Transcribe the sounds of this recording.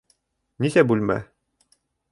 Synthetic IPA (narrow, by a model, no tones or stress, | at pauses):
nisæbʉlʲmæ̰